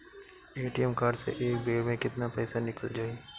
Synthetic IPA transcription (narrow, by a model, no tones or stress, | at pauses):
eːʈijɛmkaːɾsḛʔeːk̚beːɽmẽkɪt̪napɛːsanɪkəld͡ʒaːe